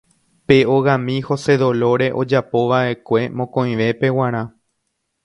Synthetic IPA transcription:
pe̞o̞ɣãmĩho̞se̞ðo̞lo̞ɾe̞ʔo̞d͡ʒapo̞ʋaʔe̞kʷe̞mõkõj̃ʋe̞pe̞wãɾ̃ã

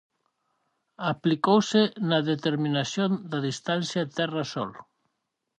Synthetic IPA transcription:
aplikowsenaðet̪eɾmĩnasjond̪aðist̪anθjat̪ɛrasɔ̰l

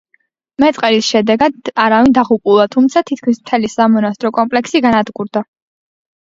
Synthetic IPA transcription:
mɛt̪sʼqʼɛɾisʃɛd̪ɛɡad̪aɾavind̪aʁupʼulˠat̪ʰumt̪sʰat̪ʰit̪̚ʰkʰmismt̪ʰɛlisamɔnast̪ʼɾɔkʼɔmpʼlɛksiɡanad̪ɡuɾd̪a

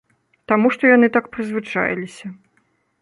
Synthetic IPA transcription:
t̪amuʂt̪ɔjanɨt̪akpɾɨzvɨt͡ʂa̰j̰lʲisʲɐ

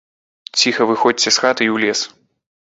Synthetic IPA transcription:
t͡sʲixɐvɨxɔt͡sʲt͡sʲɛsxat̪ɨiwlʲɛs

